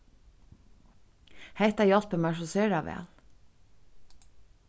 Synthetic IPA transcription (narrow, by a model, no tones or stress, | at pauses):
heɪt̪ɑjɔlpəmɑʃəsøːɾɑʋḛːl